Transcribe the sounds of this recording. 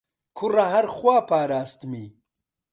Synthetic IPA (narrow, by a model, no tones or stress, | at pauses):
kʰurɐɦɐɾxwaːpaːɾaːst̪miː